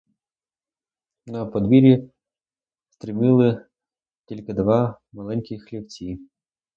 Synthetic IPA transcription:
nɐpɔd̪ʋʲiɾʲi | st̪ɾɪmʲɪlˠɪ | tʲilʲkɪd̪ʋɑ | mɐlˠɛnʲkʲɪxlʲiwt͡sʲi

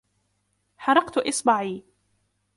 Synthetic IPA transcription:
ħɑɾˤɑqt̪ʔɪsˤbaʕiː

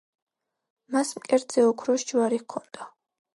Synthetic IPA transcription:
masmkʼɛɾt̪z̥ɛɔkʰɾɔʃd͡ʒuwaɾihkʰɔnd̪̥a

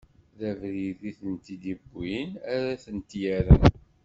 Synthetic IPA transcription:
ðævɾiðiθənt̪id̪ibːinæɾæθənt̪jæɾən

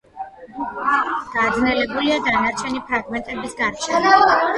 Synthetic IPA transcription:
ɡ̪̥ad̪znɛlɛbuliad̪anaɾt͡ʃʰɛnipʰɾaɡmɛnt̪ʼɛbisɡaɾt͡ʃʰɛ

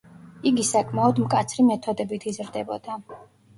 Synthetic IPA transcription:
iɡisakʼʰmaɔd̪mkʼat̪sʰɾimɛt̪ʰɔd̪ɛbit̪ʰizɾd̪ɛbɔ̰d̪̥a

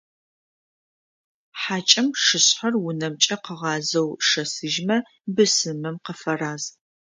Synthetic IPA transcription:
ħaːt͡ʃʼɐmʂɨɕħɐrwʊnɐmt͡ʃʼɐqəʁɑːzɐwʂɐsɨʒmɐ | bɨsɨmɨmqəfɐraːz

